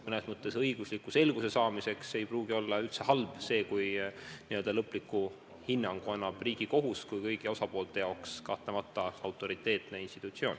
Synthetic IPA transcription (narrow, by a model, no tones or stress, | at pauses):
mɤne̞smɤt̪ˑːe̞sɤjɡ̥uslikːˑuse̞lɡ̥use̞sɑːmise̞kse̞jpruːɡio̞lːɑylt̪se̞hɑlb̥se̞ːkujniø̞ld̪ɑlɤpːˑlikːˑu | hinːɑŋɡ̥uɑnːɑb̥riːɡ̥iko̞ɦuskujkɤjɡio̞sɑpoːlt̪ˑe̞jɑwkskɑht̪ˑemɑt̪ːˑɑɑwt̪ːˑo̞ɾit̪ːˑe̞ːt̪ne̞inst̪i̥t̪ːˑut̪sio̞ːn